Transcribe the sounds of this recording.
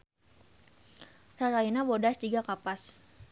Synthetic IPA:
raɾainabodast̪iɡakapas

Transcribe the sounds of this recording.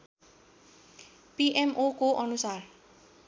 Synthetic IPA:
piʔemʔokoʔʌnusar

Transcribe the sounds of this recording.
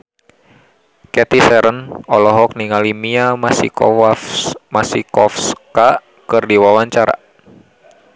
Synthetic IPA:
kɛt̪isɛɾənɔlɔɦɔk̚niŋalimiasḭ | masikɔfska | kɨrdiwawaɲt͡ʃaɾa̰

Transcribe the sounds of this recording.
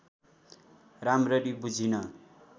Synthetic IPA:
ramrʌɾibud͡zʱinʌ

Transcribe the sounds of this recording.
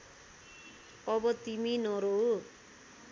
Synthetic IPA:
ʌbʌt̪iminʌɾo

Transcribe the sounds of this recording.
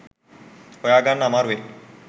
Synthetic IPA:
ojaɡanːamaɾe

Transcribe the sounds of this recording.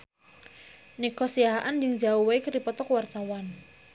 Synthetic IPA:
nikɔsiaɦand͡ʒɨŋd͡ʒauweikɾipɔt̪ɔkwart̪awan

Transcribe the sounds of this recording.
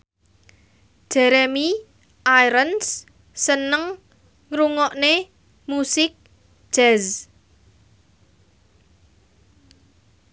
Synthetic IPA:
ʒ̥ɛɾemi | ʔajɾəns | sənəŋ | ŋɾuŋɔʔne | musɪk̚ | ʒ̥ɛz

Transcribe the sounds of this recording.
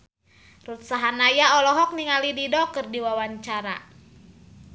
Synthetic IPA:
rut̪̚saɦanajaɔlɔɦɔk̚niŋalididɔkɨrdiwawaɲt͡ʃaɾa̰

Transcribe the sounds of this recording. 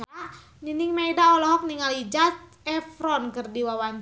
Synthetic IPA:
a | niniŋmɛidaɔlɔɦɔk̚niŋalid͡ʒat̪̚ | ɛfɾɔnkɨrdiwawaɲ

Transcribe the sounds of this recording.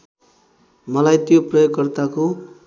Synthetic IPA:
mʌlajt̪joprʌjoɡkːʌrt̪ako

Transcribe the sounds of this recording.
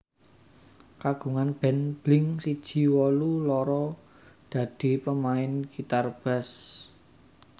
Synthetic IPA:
kaɡ̥ṳŋanb̥ɛ̤nb̥lɪŋsid̥ʒ̥i̤wɔlulɔɾɔ | d̪̥ä̤d̪̥i̤pəmaɪnɡ̥it̪arb̥a̤s

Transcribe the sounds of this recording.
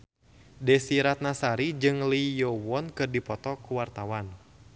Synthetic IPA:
dɛsiɾat̪̚nasaɾid͡ʒɨŋlijɔwɔnkɨrdipɔt̪ɔkuwart̪awan

